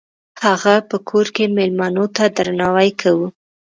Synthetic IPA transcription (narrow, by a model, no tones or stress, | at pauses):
haɣapəkʰoɾkemelmɑnot̪ad̪ɾanɑwajkʰawu